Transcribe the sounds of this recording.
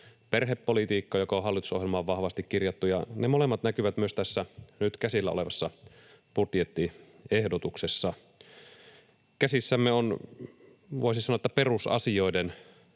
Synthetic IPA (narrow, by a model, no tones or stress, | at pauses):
perɦepːolit̪iːkːɑjokɑoɦɑlːit̪u̥sohjelmɑːʋʋɑhʋɑst̪ikkirjɑt̪ːujɑnemole̞mːɑt̪nækyʋæt̪myøst̪æsːænyt̪kæsilːæole̞ʋɑsːɑ | put̪jet̪ːi | ehdot̪uksesːɑ | kæsisːæmːeon | ʋoisinsɑnoɑet̪ːæperusɑ̰sio̞iden